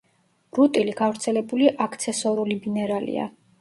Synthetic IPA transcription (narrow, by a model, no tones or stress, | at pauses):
ɾut̪ʼiliɡavɾt̪sʰɛlɛbuliʔakʰt̪sʰɛsɔɾulibinɛɾalḭa̰